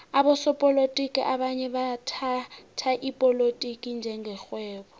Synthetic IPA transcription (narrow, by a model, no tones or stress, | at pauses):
aɓɔsɔpʼɔlotʼikʼiʔaɓaɲɛɓatʰatʰaʔipʼɔlotʼikʼind͡ʒʱɛŋɡʱɛxwɛːɓɔ